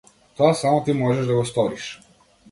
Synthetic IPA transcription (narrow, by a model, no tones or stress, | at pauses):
t̪ɔasamɔt̪imɔʒɛʒd̪aɡɔst̪ɔɾiʃ